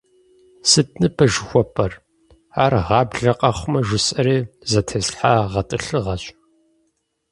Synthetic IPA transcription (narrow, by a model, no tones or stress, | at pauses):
sɨtʰʼnɨbʰɐʒɪxʷɔpʼɐr | aːrʁɑːbɮɐqʼɐχʷʊmɐʒʷʊsʼɐɾeːzɐtʰɐsħaːʁɐtʼɨɬɨʁɐɕʼ